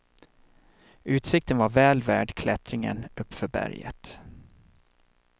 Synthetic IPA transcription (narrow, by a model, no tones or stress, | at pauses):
ʉ̟ːt̪sɪk̚t̪ənvaɾvɛːlvæːɖkʰlɛt̪ɾɪŋə̰nɵpːfœɾbæ̰ɾjə̰t̪